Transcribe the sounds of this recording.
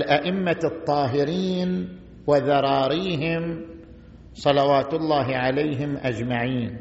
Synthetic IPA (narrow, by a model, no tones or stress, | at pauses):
lʔaʔɪmːat̪ˤːɑːɦɪɾiːn | wɪðɑɾˤɑːɾiːɦɪm | sˤɑlɑwaːt̪ʊlˤːaːɦɪʕalaːɦɪmʔad͡ʒmaʕiːn